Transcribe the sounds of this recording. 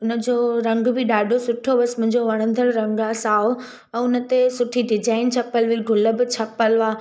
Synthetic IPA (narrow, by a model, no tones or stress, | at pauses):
ʊnə̆d͡ʑoːɾɐ̃ŋɡbɪɗaːɖʱosʊʈʰoʋəsmʊ̃ɪ̃ɲd͡ʑoʋɐɽ̃ə̃n̆d̪ʱəlɾɐ̃ŋɡaːsaːo | ɛ̃ːʊnə̆t̪esʊʈʰiɖɪd͡ʑaːɪnt͡ɕʰɐpəlʋiɡʱʊlə̆bɪt͡ɕʰɐpəlʋaː